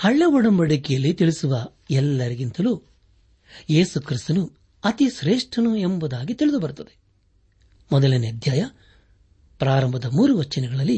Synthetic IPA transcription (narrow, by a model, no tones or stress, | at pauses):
hɐɭːeʋɔɽɐmbɐɽikɛjɐlːit̪iɭisuʋɐ | ɛlːɐɾiɡint̪ɐluː | je̞ːsukɾist̪ɐnu | ɐt̪iʃɾeːʂʈʰɐnuembud̪aːɡit̪iɭid̪ubɐɾut̪ːɐd̪e | mɔd̪ɐlineɐd̪ʱjaːjɐ | pɾaːɾɐmbʱɐd̪ɐmuːɾuʋɐt͡ʃːɐnɛɡɐɭɐlːi